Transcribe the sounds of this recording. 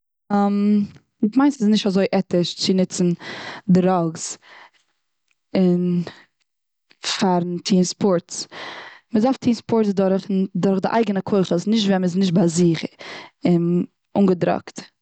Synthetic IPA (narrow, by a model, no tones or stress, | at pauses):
am | tmaɪ̃nsɪsnɪʃtazoɪʔɛtɪʃt͡sɪnɪt͡sn̩dɾɔɡs | ɪn | faɾn̩tʰiːnspɔɾts | məzaftʰiːnspɔɾtt͡sdʊɾχndʊɾχdɪʔa̰ɪɡənəkʰoɪχəsnɪʃtvɛnməs̬nɪʃ̬t̚baziχɪn | ʊŋɡədɾɔ̰kt